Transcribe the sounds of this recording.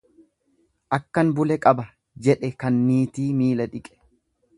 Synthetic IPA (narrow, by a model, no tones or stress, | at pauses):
ʔɐkːɐnbʊlɛkʼɐbɐ | d͡ʒɛᶑɛkɐnːiːt̪iːmiːlɐᶑɪkʼɛ̥